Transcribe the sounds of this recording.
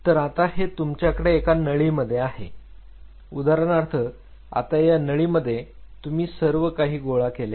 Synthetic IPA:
t̪əɾat̪aɦet̪umt͡ɕjakəɽeːkanəɭiːməd̪ʱːjeaɦe | ud̪aɾəɳaɾt̪ʰə | a̰t̪ajanəɭiːməd̪ʱːjet̪um̤iːsəɾʋəkaɦiːɡoɭakele

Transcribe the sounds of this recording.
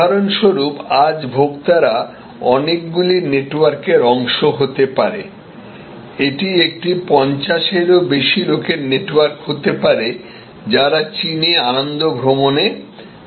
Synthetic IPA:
aɾonʃoɾupad͡ʑbʱoɡt̪aɾa | ɔnek̚ɡulineʈwaɾkeɾɔŋʃoɦot̪epaɾe | eʈiek̚ʈipɔnt͡ɕaʃeɾobeʃiɾokʰeɾneʈwaɾkɦot̪epaɾe | d͡ʑaɾat͡ɕinianond̪obʱɾomone

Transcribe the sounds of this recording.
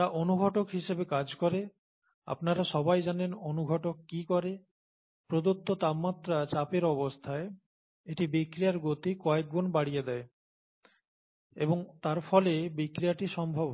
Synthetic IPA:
aʔonuɡʱɔʈokɦiʃebekad͡ʑkɔɾe | a̰pnaɾaʃɔbajd͡ʑanenonuɡʱɔʈokːikɔɾe | pɾod̪ot̪ːot̪abmat̪ːɾat͡ɕapeɾɔbost̪ʰae | eʈibikɾijaɾɡot̪ikɔek̚ɡonbaɽijed̪ɛe | ḛboŋt̪aɾfɔlebikɾijaʈiʃɔmbʱob

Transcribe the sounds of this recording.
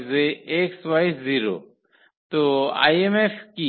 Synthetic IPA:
zeːkswajsziːɾo̰ | t̪oa̰ːjemefki

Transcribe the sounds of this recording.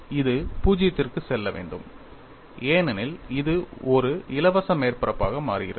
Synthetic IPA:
ɪðɯpuːd͡ʒɪjɐt̪ːɪrkɯsɛlːɐʋḛːɳɖɯ̰m | eːnɐnɪlɪðɯɔɾɯɪlɐʋɐsɐmeːrpɐɾɐpːaːɣɐmaːrɪɣɪɾɐ

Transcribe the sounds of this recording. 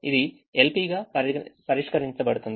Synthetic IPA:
id̪i | elpiɡɐɐpɐɾiʂkɐɾiɲt͡ʃɐbɐɽut̪und̪

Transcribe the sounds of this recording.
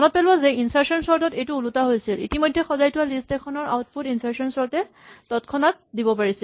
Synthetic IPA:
ɔnɔt̚pɛlbɔzɛinsaɹsɔnsɔɹtɔtejtuːlutaɦojsilḭtimojdʱːɛxɔzajtʊwalistɛkʰɔnɔɹa̰wt̚pʰutinsaɹsɔnsɔɹtɛ | tɔtkʰɔnat̚dibɔpaɹisi

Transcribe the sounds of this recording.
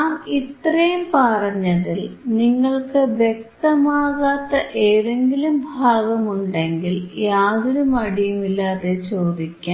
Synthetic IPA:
aːmit̪rɐjumpɐrɐɲːɐðilniŋːɐɭkɨʋje̞k̚t̪ɐmaːɣaːt̪ːɐʔeːðe̞ŋɡilumbʱaːɣɐmuɳɖe̞ŋɡiljaːðoɾumɐɽijumilːaːðe̞t͡ɕo̞ːd̪ikʲːaː

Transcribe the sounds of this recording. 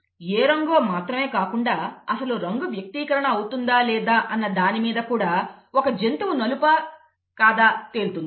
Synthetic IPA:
eːɾɐŋɡoːmaːt̪ɾɐme̞ːkaːkuɳɖaːɐsɐluːɾɐŋɡuʋjɐk̚t̪iːkɐɾɐɳɐːwut̪und̪aːlɛːd̪aːʔɐnːɐd̪aːnimiːd̪ɐkuːɽaːokɐd͡ʒent̪umunɐlupɐ | kaːd̪aːt̪e̞ːlut̪und̪i

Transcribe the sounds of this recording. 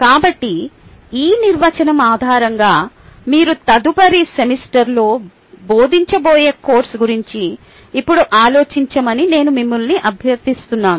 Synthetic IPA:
kaːbɐʈːi | iːniɾʋɐt͡ʃɐnɐmaːd̪ʱaːɾɐŋɡaː | miːɾut̪ɐd̪upɐɾisemisʈɐɾlo̞ː | bo̞ːd̪iɲt͡ʃɐboːje̞ːkoːɾsɡuɾiɲt͡ʃiː | pːuɽuʔaːlo̞ːt͡ʃiɲt͡ʃɐmɐnine̞ːnumimːulniʔɐbʱjɐɾd̪ist̪unːaːnu

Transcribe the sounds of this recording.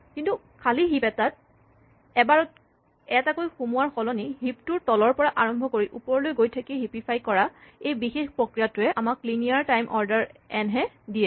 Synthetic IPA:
kintu | kʰaliɦipɛtat̚ | ɛbaɹɔt̚ | ɛtakojxumuwaɹxɔlɔniɦip̚tʊɹtɔlɔɹpɔɹaʔaɹɔmbʱɔkoɹiʔupɔɹlojɡojtʰakiɦipipʰajkɔɹaejbixexpɹokɹijatʊɛʔamakklinijaɹtajmʔɔɹdaɹɛnɦɛ | dijɛ

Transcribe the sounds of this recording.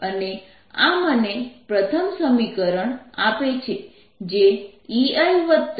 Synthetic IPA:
əne | amənepɾət̪ʰəmsəmikəɾəɳapet͡ʃʰe | d͡ʒeiajʋət̪t̪

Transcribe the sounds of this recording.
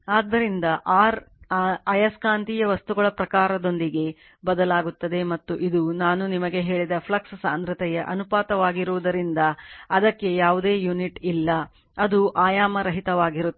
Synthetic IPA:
aːd̪ːɐɾind̪ɐʔaːɾ | ɐjɐskaːnt̪ijɐʋɐst̪uɡɐɭɐpɾɐkaːɾɐd̪o̞nd̪iɡe̞ | bɐd̪ɐlaːɡut̪ːɐd̪e̞mɐt̪ːuʔid̪unaːnunimɐɡe̞ɦe̞ːɭid̪ɐpʰlɐkssa̰ːnd̪ɾɐt̪ɛjɐʔɐnupaːt̪ɐʋaːɡiɾuʋud̪ɐɾind̪ɐɐd̪ɐkːe̞jaːʋud̪eːjuniʈilːɐ | ɐd̪uʔaːjaːmɐɾɐɦit̪ɐʋaːɡiɾut̪ː

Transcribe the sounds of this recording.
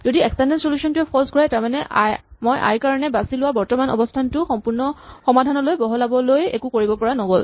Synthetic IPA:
zodiɛkstɛndɛnsolusɔntʊɛpʰɔlskɔɹɛtaɹmanɛʔmojʔa̰ɹkaɹanɛbasilʊwabɔɹtɔmanɔ̰bɔstʰantʊxɔmpʊɹnɔxɔmadʱanɔlojbɔɦɔlabɔlojḛkukoɹibɔpɔɹanɔɡol

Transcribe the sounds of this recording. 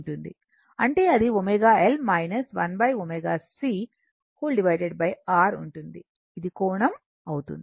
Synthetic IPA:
uɳʈund̪ḭ | ɐɳʈe̞ːɐd̪iomeɡaːelmɐjnɐsʋɐnbɐjomeːɡaːsi | huːlɖiʋɐjɖeɖbɐjaːɾuɳʈund̪i | id̪ikɔːɳɐm | ɐwt̪ṵnd̪i

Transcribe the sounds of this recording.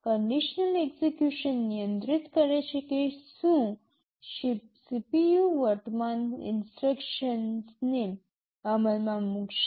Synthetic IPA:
kəɳɖiɕnəleksekjuɕənːijə̃nt̪ɾit̪kəɾaɕekisũ | ipsipijuʋəɾt̪manḭnsʈɾekʃənsne | aməlmamukʃ

